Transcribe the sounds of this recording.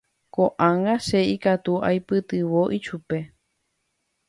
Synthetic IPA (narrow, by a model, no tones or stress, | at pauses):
koʔãŋɡaʃeikat̪uʔa̰jpɨt̪ɨʋoʔiʃupe̞